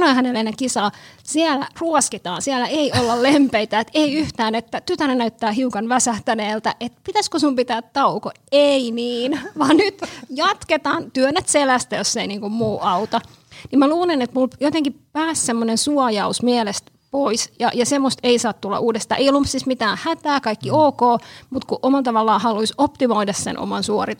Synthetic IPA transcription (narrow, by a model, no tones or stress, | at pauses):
ɑnoihænelːenekisɑːsiælæ̰ruɔskit̪ɑ̰ːnsiælæʔeiolːɑllempeit̪æet̪eiyht̪æːnet̪ːæt̪yt̪ænenæyt̪ːæːhiukɑnʋæsæht̪æneːlt̪æʔet̪pit̪æskosumpit̪æːt̪t̪ɑukoeiniːnʋɑːnnyt̪jɑt̪ket̪ɑːnt̪yønːæt̪selæst̪æjosːeiniːŋkummuːʔɑut̪ɑ | nimmæluːlenet̪muljot̪eŋkippæːssemːonensuɑjɑusmielest̪ | poisjɑ̰jɑsemːost̪eisɑːt̪t̪ulːɑ̰ʔuːdest̪ɑ̰ʔeiolumsismit̪æːhæt̪æːkɑikːioːkoːmut̪kuʔomɑlt̪ɑʋɑlːɑːhɑluisopt̪imoidɑssḛnʔo̰mɑnsuori